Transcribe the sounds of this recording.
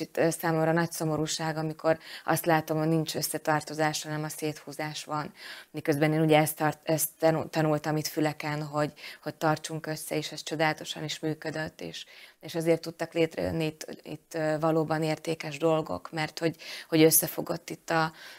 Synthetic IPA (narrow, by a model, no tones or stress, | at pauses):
it̪ːsaːmo̞mrɒnɒcso̞mo̞ɾuːʃaːɡɒmiko̞ɾɒ̰st̪laːt̪o̞mho̞ɟnint͡ʃøsːɛt̪ɒrt̪o̞zaːʃhɒnɛmɒseːt̪huːzaːʃʋɒnmikøzbɛneːnuɟɛɛst̪rɛst̪t̪ːɒnult̪ɒmit̪fylɛkɛnɦo̞ɟho̞ɟ̚t̪ɒrt͡ʃuŋkø̞sːɛeːʃɛst͡ʃo̞d̪aːlɒt̪o̞ʃɒniʃmyːkød̪øt̪ːḛːʃeːʃɒzeːrt̪ːut̪ːɒkleːt̪rɛ̰jø̰nːit̪ḭt̪ːvɒloːbɒneːrt̪eːkɛʒd̪o̞lɡo̞̰kmɛrt̪ho̞ɟho̞ɟøsːɛfo̞ɡo̞t̪ːit̪ːɒ